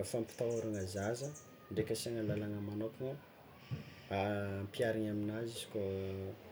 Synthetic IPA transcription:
fampi̥t̪awaɾaŋazazə | ɳɖ͡ʐekʲəsaŋəlalanəmanokuŋə | ampiaɾiɲaminazizi̥ko

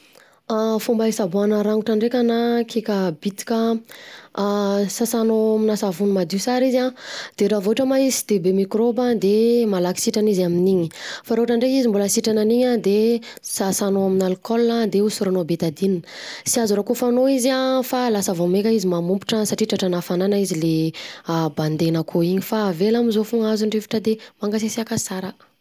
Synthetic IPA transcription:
fumbaisabuanəɾaŋuʈ͡ʂaɳɖ͡ʐekʲanakʰekʲəbit̪i̥kʲə | sasanominasavunumad̪usaɾizad̪̥eɾavoaʈ͡ʂəmaisi̥d̪̥ebemikɾobad̪emalaki̥siʈ͡ʂanizaminiɲifaɾoɦaʈ͡ʂaɳɖ͡ʐeizimbuləsiʈ͡ʂananiɲad̪esasanoaminalkɔlnad̪eusuɾanobet̪ad̪ininəsiazuɾakofanoiziafalasəvomekaizimamumpi̥ʈ͡ʂəsaʈ͡ʂiʈ͡ʂaʈ͡ʂanafananaizile | band̪enakʰoiɲifavelamizofuŋazuɳɖ͡ʐefḁʈ͡ʂəd̪emaŋɡasesiakasaɾa

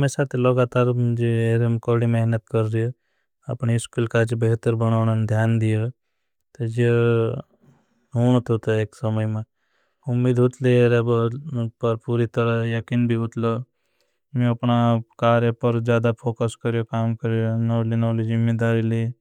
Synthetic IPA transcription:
mesat̪ʰelɐɡaːt̪aːɾd͡ʒeeːɾemkɔɽimɛɦnət̪kəɾːijo | ɐ̰pniɪskuːlkad͡ʒbeɦt̪əɾbɐñaːnənd̪ʱjaːnd̪ijo | t̪ed͡ʒe | ɦuːñt̪ɦut̪eeːksɐməjmẽ | ʊmːiːd̪ɦʊt̪leeɾebpɐɾpuːɾit̪əɾəjɐkiːnbʱiɦʊt̪lo | mẽɐpnakaːɾjepəɾd͡ʒjaːd̪apʰoːkəskəɾjokaːmkəɾjonɔːlinɔːlid͡ʒɪmːed̪aːɾili

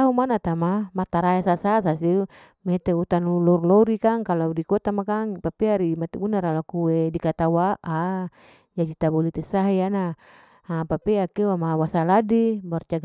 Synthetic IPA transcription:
aɦumanat̪amamat̪aɾaesasasasiu | met̪eut̪anlulurloɾikaŋkaladikot̪amakaŋpapeaɾimat̪ɛbunaɾalakuwedikat̪awaa | d͡ʒad͡ʒit̪abolit̪ɛsaɦiana | apapeakewamawasaladibart͡ʃaɡ

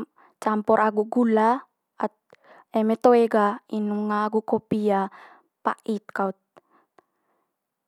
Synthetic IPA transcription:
t͡ʃampɔɾʔaɡuʔɡula | at̪̚ | emɛt̪oeɡainuŋaːɡukopia | pa̰ʔit̪̚kaut̪̚

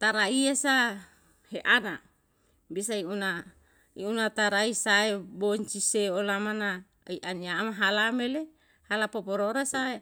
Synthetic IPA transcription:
t̪aɾaiasa | heʔana | bisaiuna | iunat̪aɾaisaeboɲt͡ʃiseolamana | iʔaniamaɦalamele | halapopoɾoɾasae

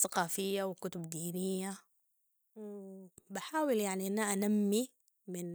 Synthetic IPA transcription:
θaqɑːfɪjːawɪkʊt̪ʊbd̪iːnɪjːa | wbaħaːwɪljaʕniʔanːaʔanamːi | mɪn

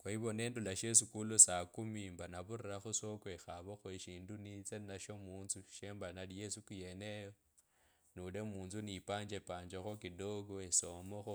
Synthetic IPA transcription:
kwaiβo̞ne̞ːndulaʃes̬ikulosakumimbanaβuriraxuso̞kwexaβoxweʃiːndunit͡senaʃo̞muːnzuʃe̞ːmbanalijesukuje̞nejo | nulemuːnzunipaːɲd͡ʒepaːɲd͡ʒexokidoɡoeso̞moxo

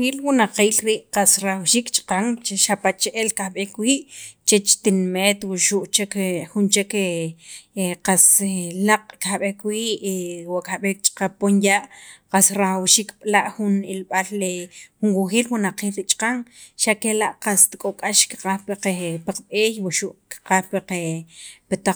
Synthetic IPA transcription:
ilwunaqiːlɾiʔqasɾaxwʃiːkt͡ʃʼqaŋt͡ʃeʃapat͡ʃʔelkaɓehkwiːʔt͡ʃet͡ʃt̪inmeːt̪wuʃuʔt͡ʃekxunt͡ʃeke | qaselaqʼkahɓehkwiːʔwaʔkaɓekt͡ʃʼqaponjaːʔqasɾaxawʃiːkɓ̥laʔxunilɓallexunwuxiːlwunaqiːlɾit͡ʃʼqaŋʃakelaʔqast̪kʼokʼaʃki̥qahpeqepaqɓeːjwuʃuʔki̥qahpeqepet̪a

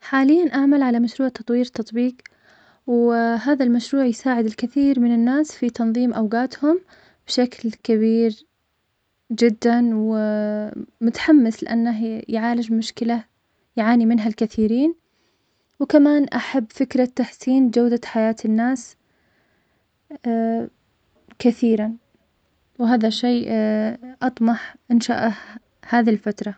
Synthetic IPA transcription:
ħaːlɪjːanʔaʕmalʕalamaʃɾuːʕt̪ɑt̪ˤwiːɾt̪ɑt̪ˤbiːq | wɦaːðalmaʃɾuːʕjsaːʕɪd̪ɪlkɪθiːɾmɪnɪnːaːsfit̪ɑnðˤiːmʔawɡaːt̪hʊm | b̥ʃaklkaβiːɾ | d͡ʒɪd̪ːanwɪ | mʊt̪ḁħamːɪslɪ̰ʔa̰nːaɦjʕaːlɪd͡ʒmʊʃkɪla | jʕaːnimɪnɦalkaθiːɾiːn | wkamaːnʔaħabːfɪkɾˤat̪ːaħsiːnd͡ʒawd̪aħajaːt̪ʰɪnːaːs | kaθiːɾan | wɦaːðaʃeː | ʔɑt̪ˤmɑħʔɪnʃa̰ːʔah | haːðilfat̪ɾˤɑ

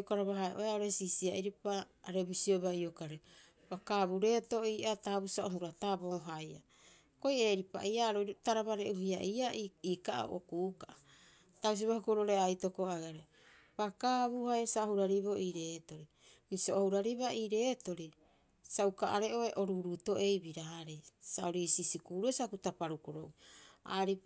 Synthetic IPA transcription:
kaɾaβaɦaeʔo̰eaoɾe̞sisiaiɾipaːɾebisioβaiokaɾe | bakaβuɾe̞ːtoiːʔataβusaoɦuɾataboːɦajʔa | koje̞ːɾipa̰ʔiʔaɾoɾtaɾaβaɾe̞̰ʔuɦiaʔiaiːkaʔa̰o̰ʔo̰kuːkaa | taus̬iβahukoɾooɾeajtokoaɡaɾe | pakaβuhajsaohuɾaɾiβoʔiːɾe̞ːto̞ɾi | bisoohuɾaɾiβaiːɾe̞ːto̞ɾi | saukaʔaɾe̞ʔo̞eʔo̞ɾuɾuto̞ʔe̞jbiɾaɾesao̞ɾisisikuːɾuesakutapaɾukoɾowa̰ɾi

